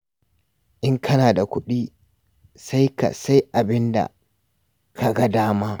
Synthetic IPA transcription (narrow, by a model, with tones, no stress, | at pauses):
ʔɪ˦ŋkʰɐ˦naː˨da˨kʷʊ˦ɗiː˦ | sa˦jka̰˨sa˦jʔa˨bɪ˦nda̰˨ | kʰa˨ɡa˦daː˦maː˦